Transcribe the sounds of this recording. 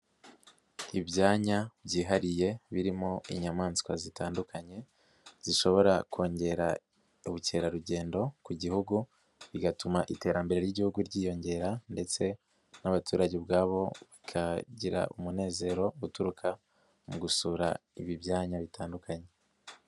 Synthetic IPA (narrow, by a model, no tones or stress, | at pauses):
ibjaːɲabɟiːɦaɾije̞βiɾimo̞ḭɲamaːnskwazitaːndukʰaɲe̞ | z̥iʃo̞βo̞ɾako̞ːɲɟe̞ɾa | uβuce̞ːɾaɾuɟe̞ːndo̞kuɟihuɡu | βiɡatumaʔite̞ːɾambe̞ɾe̞ɾjiɟihuɡuɾɟiːjo̞ɲɟe̞ɾande̞t͡se̞ | naβatuːɾaɟebɡaːβo̞βikʰaɟiɾa̰ʔumune̞ːze̞ɾo̞utuɾukʰa | muɡusuɾa̰iβibjaːɲaβitʰaːndukʰaɲe̞